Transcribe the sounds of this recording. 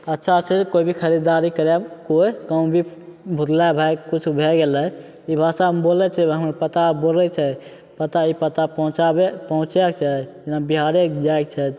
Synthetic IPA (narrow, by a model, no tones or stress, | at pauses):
ətːʃʰasekoibʱikʰəɾid̪aɾikəɾɛbkoikaũbʱibʱut̪labʱajkut͡ʃʰubʱeɡelɛ | ibʱasabolɛt͡ʃʰɛɦəmpət̪abolɛt͡ʃʰɛ | pət̪aipət̪ãt͡ʃaepəɦũt͡ʃɛkt͡ʃʰɛd͡ʒinabiɦaɾekd͡ʒaek̚t͡ʃʰɛ